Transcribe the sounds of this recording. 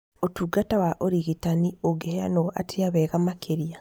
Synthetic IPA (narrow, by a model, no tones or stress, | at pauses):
otuɡatawaʔoɾiɣitanioɡehea̰noa̰tʰiaβeːɣamakʰeɾija